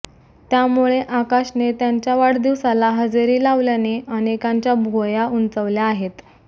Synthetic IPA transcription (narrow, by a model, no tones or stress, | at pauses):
t̪jamuɭeʔakaɕnet̪jaɲt͡ɕjaʋaɽd̪iʋsalaɦəd͡zeɾiːlaʋljaneʔənekãɲt͡ɕjabʱojaunt͡səʋljaːɦet̪